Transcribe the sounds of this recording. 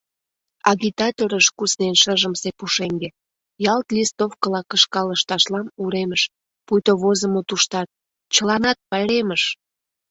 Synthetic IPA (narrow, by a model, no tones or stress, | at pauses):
ɑɣit̪ɑt̪oɾəʃkusnenʃəʒəmsepuʃeŋɡe | jɑlt̪list̪ofkəlɑkəʃkɑləʃt̪ɑʃlɑnuɾeməʃ | pujt̪oβozəmot̪uʃt̪ɑt̪̚ | t͡ɕəlɑnɑt̪̚pɑjɾeməʃ